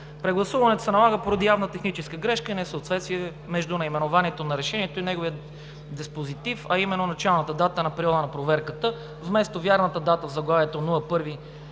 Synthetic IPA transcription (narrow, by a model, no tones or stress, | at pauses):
pɾɛɡlˠɐsuvɐnɛt̪o̥sɛnɐlˠaɡəpoɾɐd̪ijavnət̪ɛxnit͡ʃɛskəɡɾɛʃkəinɛsəot̪vɛt̪st̪viɛ | mɛʒd̪unɐimɛnovaniɛt̪onɐɾɛʃɛnʲiɛt̪oinɛɡovijə | d̪ɛspozit̪ifɐimɛnːonɐt͡ʃalˠnət̪əd̪at̪ənɐpɾiɔd̪ənɐpɾovɛɾkət̪ə | vmɛst̪ovʲjaɾnət̪əd̪at̪əvzɐɡlˠavɛt̪onuɐpɤɾvi